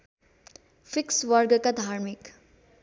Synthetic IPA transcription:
fʰikswʌɾɡkad̪ʱaɾmik

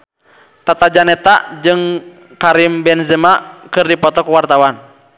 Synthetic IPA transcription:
t̪at̪ad͡ʒanɛt̪ad͡ʒɨŋ | kaɾimbɛnzɛmakɨrdipɔt̪ɔkuwart̪awan

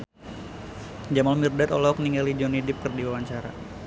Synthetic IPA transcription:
d͡ʒamalmirdat̪ɔlɔkniŋɡalid͡ʒɔnidɪp̚kərdiwawaɲt͡ʃaɾa̰

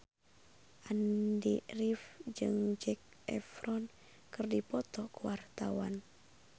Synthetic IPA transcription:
ʔandirifd͡ʒɨŋd͡ʒɛk̚ | ɛfɾɔn | kɨrdipɔt̪ɔkuwart̪awan

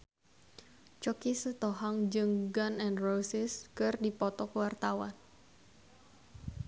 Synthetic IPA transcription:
t͡ʃɔkisət̪oɦaŋd͡ʒɨŋɡanɛnrosɪskɨrdipɔt̪ɔkəwart̪awan

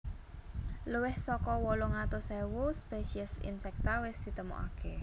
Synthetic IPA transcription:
luwɪhsɔkɔwɔlɔŋat̪ʊsɛwuspesiəsḭnsɛk̚t̪awɪsd̪̥i̤t̪əmɔ̰ʔa̰ke

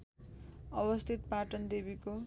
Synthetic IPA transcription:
ʌbʌst̪ʰit̪paʈʌnd̪ebiko

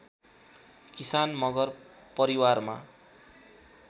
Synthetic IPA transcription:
kisanmʌɡʌr | pʌɾiwarma̰

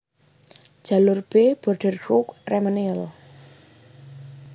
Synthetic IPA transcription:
d͡ʒ̥a̤lʊrb̥eb̥ɔrɖ̥ərɡɾukrɛmaniəl

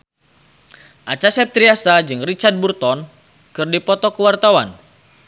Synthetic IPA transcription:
ʔat͡ʃasɛp̚t̪ɾiasad͡ʒɨŋrit͡ʃard̪̚burt̪ɔn | kɨrdipɔt̪ɔkəwart̪awan

